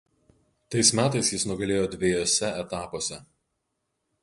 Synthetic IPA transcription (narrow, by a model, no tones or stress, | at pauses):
t̪ɐɪsmʲæːt̪ɐɪsjɪsnʊɡɐlʲeːjoːd̪ʲʋʲejoːsʲɛɛt̪ɑːpoːsʲɛ